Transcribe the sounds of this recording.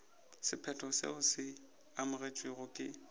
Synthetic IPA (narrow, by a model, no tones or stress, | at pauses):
sɪpʰɛtʰɔsḛʊsɪ | amʊret͡ʃʼwɪɣʊkʼɪ